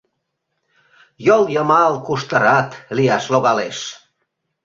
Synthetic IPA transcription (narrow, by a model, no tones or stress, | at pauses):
joljəmɑlkuʃt̪əɾɑt̪liɑʃloɣɑleʃ